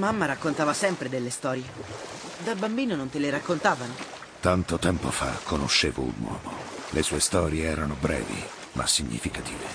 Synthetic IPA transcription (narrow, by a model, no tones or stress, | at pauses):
mamːaɾakːont̪aːvasɛmpɾed̪elːest̪ɔːɾje | d̪abambiːnonont̪eleɾakːont̪aːvano | t̪ant̪ot̪ɛmpofa̰kʰːonoʃːeːvoṵnwɔ̰ːmolʔesuːest̪ɔːɾjeɛːɾanobɾɛ̰ːvḭ | mʔa̰sːiɲːḭfikat̪iːve